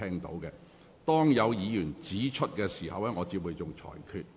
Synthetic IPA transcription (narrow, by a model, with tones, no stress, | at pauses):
ɛː˥ŋt̪o̰˨˥wkɛ˧ | t̪ɔː˥ŋjɐ˨˧wjiː˨˧jyː˨˩nt͡siː˨˥t͡ʃʰɵ˥t̚kɛː˧siː˨˩hɐ̰˨wɛ˥ŋɔː˨˧t͡siː˧p̚uː˨jt͡sʊ˨ŋt͡ʃʰɔ̰ː˨˩jkʰyː˧t̚